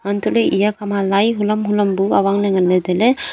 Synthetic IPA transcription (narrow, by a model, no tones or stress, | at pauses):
mant̪ulɯjijakʰamalajɦulɐmɦulɐmbuawaŋnaŋanːed̪ele